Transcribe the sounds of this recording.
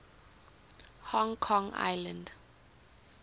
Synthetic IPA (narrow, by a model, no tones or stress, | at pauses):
hɔ̃ŋkʰɔ̃ŋa̰jlãnd